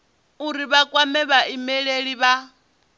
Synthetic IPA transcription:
uɾiβakʼwamɛβaimɛɺeɺiβa

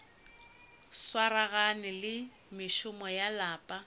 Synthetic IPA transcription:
swaɾaɣanɪlɪ | mɪʃʊmɔjalaːpʼa

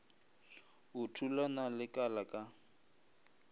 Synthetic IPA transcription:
ʊtʰulanalɪkʼalakʼa

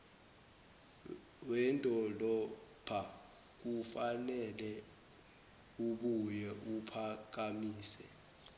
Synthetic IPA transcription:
wɛntʼɔlɔpʰa | k̬ufanɛlɛ | uɓujɛupʰak̬amiːsɛ

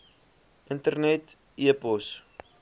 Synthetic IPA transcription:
ʔəntərnɛt | iəpɔs

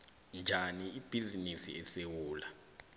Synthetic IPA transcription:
nd͡ʒʱaniib̥ʱizinisḭɛsewuːla

